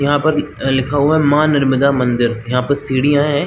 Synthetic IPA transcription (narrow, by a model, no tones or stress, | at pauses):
jɐɦãːpɐɾlɪkʰaːuɛ̃mãːnɐɾməd̪amɐ̃nd̪ɪɾjɐɦãːpɐɾsiːɽiaːẽɦɛ̃ː